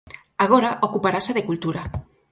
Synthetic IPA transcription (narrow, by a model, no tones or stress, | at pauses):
aɣoɾaʔokupaɾasaðekult̪uɾa